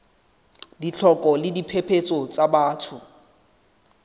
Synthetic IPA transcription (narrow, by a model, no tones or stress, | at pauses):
dit͡ɬʰɔkʼɔlɪdipʰepʰet͡sʼot͡sabaːtʰʊ